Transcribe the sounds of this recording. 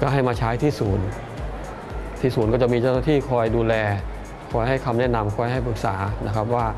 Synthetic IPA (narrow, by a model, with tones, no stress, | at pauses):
kaː˥˩ɦa˥˩jmaː˧t͡ɕʰaː˦˥jt̪ʰiː˥˩suː˩˦n | t̪ʰiː˥˩suː˩˦nkɔː˥˩t͡ɕa˨˩ʔmiː˧t͡ɕa˥˩wnaː˥˩t̪ʰiː˥˩kʰɔː˧jduː˧lɛː˧ | kʰɔː˧jɦa˥˩jkʰa˧mnɛ˦˥˩ʔna˧mkʰɔː˧jɦa˥˩jpɯ˨˩k̚saː˩˦na˦˥kʰa˦˥p̬̚waː˥˩